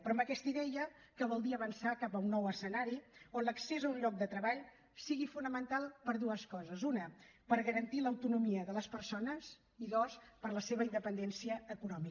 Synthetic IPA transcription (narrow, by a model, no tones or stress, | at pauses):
pɾɔəmbəkɛst̪əiðɛjə | kəβ̞ɔlˠd̪iəβənsakapəunːɔwəsənaɾionləksezəunʎɔk̚d̪ət̪ɾəβaʎ | siɣifunəmənt̪alˠpəɾðuəskɔzəzunəpəɾɣəɾənt̪iləwt̪unumiəðələspəɾsonəz | iðospəɾləseβəind̪əpənd̪ɛnsiəːkunɔmi